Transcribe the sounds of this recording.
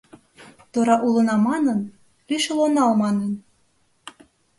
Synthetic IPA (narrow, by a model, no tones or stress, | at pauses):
t̪oɾɑʔulɤ̆nɑmɑnɤ̆n | lyʃelonɑlmɑnen